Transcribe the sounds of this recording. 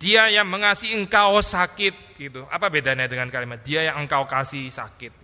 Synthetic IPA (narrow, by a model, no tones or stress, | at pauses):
d̥iajaŋməŋasiəŋkawsakɪt̪̚ɡit̪uʔa̰pabedanadəŋankalimadiajaŋəŋkawkasihsa̰kɪt̪̚